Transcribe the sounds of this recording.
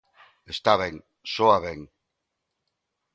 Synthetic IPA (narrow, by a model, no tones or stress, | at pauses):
est̪aβeŋ | soaβeŋ